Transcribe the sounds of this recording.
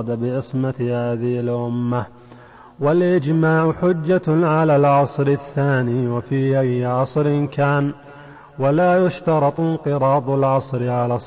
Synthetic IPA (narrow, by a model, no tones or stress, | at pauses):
d̪abɪʕɪsmahaːðɪhɪlʔʊmːa | walʔɪd͡ʒmaːʕʊħʊd͡ʒːaʕalaːlʕɑsˤɾɪθːaːniːwafiːʔajːʕɑsˤɾnkaːn | walaːjʊʃt̪ɑɾˤɑt̪ˤnqɨɾˤɑːd̪ˤalʕɑsˤɾɪʕalaːsˤ